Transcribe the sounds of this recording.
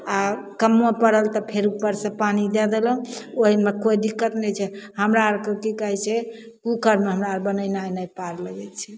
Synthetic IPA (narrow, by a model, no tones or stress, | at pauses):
akəmopəɽəlt̪ɔpʰeɾupəɾsə̃panid̪ɛd̪eləɦũoɦimekoid̪ikːət̪nɛt͡ʃʰɛhəmɾaɾkəkikəɦɛt͡ʃʰɛ | kukəɾmeɦəmɾaɾbənənajnəjpaɾləɡɛt͡ʃʰɛ